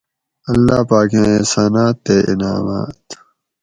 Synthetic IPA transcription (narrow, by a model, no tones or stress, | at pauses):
ɐlːaːpaːkãisaːnaːt̪ːeːʔḭnaːma̰ːt̪